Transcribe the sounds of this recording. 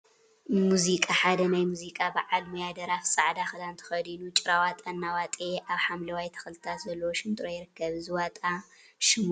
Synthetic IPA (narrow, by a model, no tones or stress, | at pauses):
muzikʼaħad̪ɐnajmuzikʼabaʕalmojad̪ɐɾafsʼaʕd̪axɨd̪ant̪ʰɐ̥xɐd̪ilut͡ʃʼɪɾawat̪ʼɐnːawat̪ʼeʔaβħamlɐwajt̪ʰɐ̥xɨlt̪ʰat̪zɐlːɐwoʃɪnt̪ʼɾojɪɾɨkːɐβzɨwat̪ʼa | ʃɪmu